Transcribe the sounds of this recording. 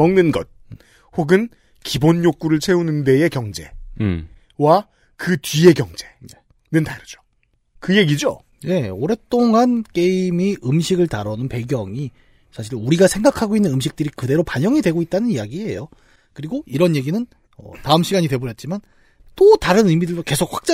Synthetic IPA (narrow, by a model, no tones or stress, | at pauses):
mʌŋnɯnɡʌt̚ | ɸoɡɯn | kibonjok͈uɾɯɭt͡ɕʰe̞unɯnde̞ekjʌŋd͡ʑe̞̰ | wa | kɯtɥie̞kjʌŋd͡ʑe̞ | nɯntaɾɯd͡ʑo̥ | kɯje̞ɡid͡ʑo | ne̞oɾe̞t͈oŋank͈eimiʔɯmɕʰiɡɯɭtaɾʌnɯnpe̞ɡjʌŋi | sʰaɕʰiɾuɾiɡasʰe̞ŋɡakʰaɡoinːɯnɯmɕ̬ʰik̚t͈ɯɾikɯde̞ɾopaɲʌŋidwe̞ɡoit̚t͈anɯnijaɡiḛjo | kɯɾiɡoiɾʌnje̞ɡinɯn | ʌ̰taɯmɕʰiɡaɲidwe̞boɾjʌt̚t͡ɕ͈iman | t͈otaɾɯnɯjmidɯɭdoke̞sʰok̚ɸwḁk̚t͡ɕ͈a